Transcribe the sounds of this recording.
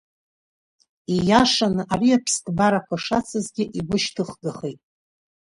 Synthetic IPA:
ijaʂanɨʔariapʰskʼbaɾakʷaʂat͡sʰɨzɡʲɪʔiɡʷʊʃtʰɨχɡaχejtʼ

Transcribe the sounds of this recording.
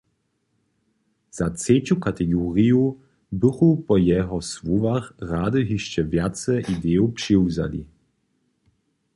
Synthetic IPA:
z̥at͡set͡ɕukatɛɡɔːʁiju | bɨxupɔjɛɦɔswuvaxraːd̪əɦiʃt͡ɕɛvjatt͡sɛʔid̪eːɔpʂiwza̰lḭ

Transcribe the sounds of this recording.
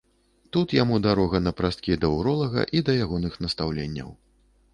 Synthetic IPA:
t̪ut̪jamud̪aɾɔɣɐnɐpɾast̪̚kʲid̪ɐwɾɔlˠɐɣɐ̰ʔid̪ɐjaɣɔnɨxnɐst̪awlʲenʲːɐ̰w

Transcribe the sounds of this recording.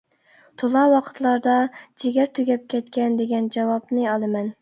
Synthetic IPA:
t̪ʰolˠɑwɑqʰə̥t̪lˠɑɾd̪ɑd͡ʒeɡʲæɾt̪ʰyɡʲɛp̚kʲʰɛt̪kʲɛnd̪eɡʲɛnd͡ʒɑwɑpnɨɑlˠɨmɛn

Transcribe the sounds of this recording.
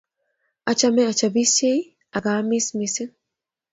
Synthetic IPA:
ʔɐt͡ʃɐmɛɐt͡ʃɐbisej | ʔɐɡaːmismisɪn

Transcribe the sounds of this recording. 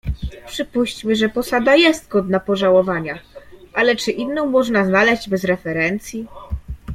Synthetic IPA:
pʂɘpuɕt͡ɕmɘʐɛpɔsad̪ajɛst̪ɡɔd̪napɔʐawɔvaɲaʔalɛt͡ʂɘʔinːɔ̃w̃mɔʐnaznalɛʑd͡ʑbɛzɾɛfɛɾɛnt̪sʲji

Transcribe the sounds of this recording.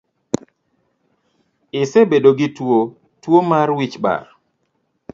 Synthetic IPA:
ɪsebedoɡɪtwo | twomarwit͡ʃba̰ɾ

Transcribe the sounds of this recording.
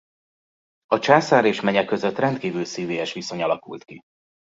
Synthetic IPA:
ɒt͡ʃaːsaːɾeːʃmɛɲɛkːøzøt̪ːrɛnt̪̚kiːvylsiːveːjɛʃʋiso̞ɲɒlɒkṵlt̪ki

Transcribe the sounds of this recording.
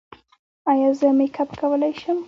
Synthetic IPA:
ajazəmekʰapkʰawəlajʃɪm

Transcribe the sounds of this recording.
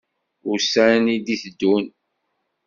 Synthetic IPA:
ʊɾsænid̪iθəd̪ːun

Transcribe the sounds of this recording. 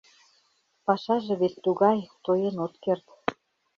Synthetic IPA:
pɑʃɑʒĕβet̪ːuɣɑjt̪ojɤ̆not̪kert̪

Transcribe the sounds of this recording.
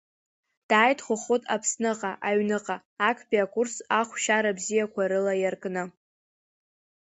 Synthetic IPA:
d̥aːjtʰχʷʊχotʼʰapʰsnɨqʼaʔaɥnɨqʼaː | kʰbʼiakʷursaχʷʃaɾabzijakʷʰaɾɨlajarkʼnɨ

